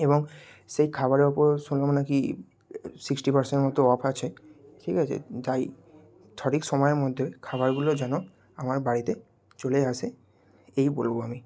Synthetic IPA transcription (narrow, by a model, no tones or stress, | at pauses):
ebɔŋ | sejkʰaβaɾeupɔɾsunlɔmnaki | siksʈipaɾsenʈmɔt̪oɔpʰat͡ɕʰeʈʰikat͡ʃʰḛt̪aj | tʰɔɾikʃɔmɔjeɾmɔd̪ʱːekʰabaɾɡulod͡ʑano | amaɾbaɾit̪e | t͡ɕolease | ejbolboami